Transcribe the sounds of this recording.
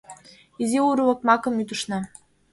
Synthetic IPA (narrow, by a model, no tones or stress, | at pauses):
iziuɾulɤ̆k̚mɑkɤ̆myt̪uʃnɑ